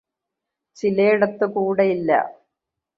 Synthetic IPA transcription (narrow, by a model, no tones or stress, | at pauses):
t͡ɕilejiɽɐt̪ːɨkuːɽeilːɐ̰